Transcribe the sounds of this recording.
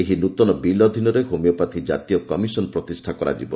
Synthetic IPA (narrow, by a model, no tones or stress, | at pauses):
eɦinut̪ɔnɔbilɔd̪ʱinɔɾeɦomjɔpat̪ʰid͡ʒa̰t̪iɔkɔmisɔnɔpɾɔt̪isʈʰakɔɾa̰d͡ʒḭbɔ